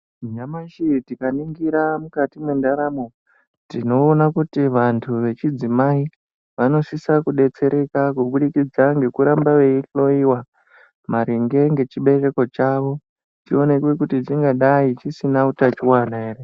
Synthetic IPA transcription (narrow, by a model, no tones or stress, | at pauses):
ɲamaʃitikaniŋɡiɾamukatimwendaɾamo̞ | tino̞ːnakutiʋantʰuʋe̞t͡ʃid͡zimai | ʋano̞sisakuɗe̞t͡se̞ɾʔe̞kakuɓuɗikid͡zaŋɡe̞kuɾambaʋe̞iɬo̞iwa | maɾiŋɡe̞ŋɡe̞t͡ʃiɓe̞re̞ko̞t͡ʃaʋo̞ | tio̞ne̞kwekutitiŋɡaɗait͡ʃisinautat͡ʃiwanae̞ːɾe